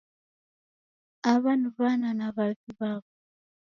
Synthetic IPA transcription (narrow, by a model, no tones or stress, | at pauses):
aβanuβananaβaviβaβo